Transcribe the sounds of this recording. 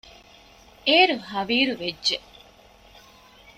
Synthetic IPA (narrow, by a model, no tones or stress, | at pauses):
eːɾuɦɐʋiːɾuʋedːʒe